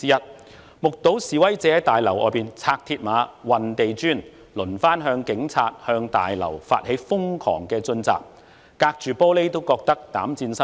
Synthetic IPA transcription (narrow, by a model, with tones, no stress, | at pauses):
t͡siː˥jɐ˥t̚ | mʊ˨k̚t̪o˨˥wsiː˨˩wɐ˥jt͡sɛː˨˥t̪aː˨jlɐ˨˩wʔɔ̰ː˨˧jpiː˨nt͡sʰaː˧k̚t̪ʰiː˧t̚maː˨˧˥wɐ˨nt̪e˨jt͡ʃyː˥n | lɵ˨˩nfaː˥nɦœː˧ŋkɪ˨˥ŋt͡sʰaː˧t̚hœː˧ŋt̪a̰ː˨jlɐ̰˨˩wfa̰ː˧t̚he˨˥jfʊ˥ŋkʰɔ̰ː˨˩ŋkɛː˧t͡sɵ˧nt͡sa̰ː˨k̚ | kaː˧k̚t͡ʃyː˨pɔː˥le˥t̪o˥wkɔː˧k̚t̪ɐ˥k̚t̪aː˨˥mt͡siː˧nsɐ˥